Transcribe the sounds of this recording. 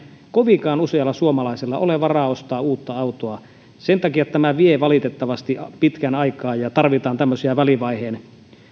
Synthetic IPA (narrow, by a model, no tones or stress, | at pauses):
koʋiŋkɑːnuseɑlːɑsuomɑlɑiselːɑʔoleʋɑrɑost̪ɑːuːt̪ːɑɑut̪oɑ | sent̪ɑkijɑt̪æmæʋieʋɑlit̪et̪ːɑʋɑst̪ipit̪kænɑikɑːjjɑt̪ɑrʋit̪ɑːnt̪æmːøsiɑʋæliʋɑiheːn